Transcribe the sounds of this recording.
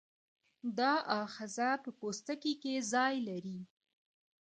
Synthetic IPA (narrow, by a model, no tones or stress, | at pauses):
d̪ɑʔɑxɪzapəpost̪akikezɑjlaɾi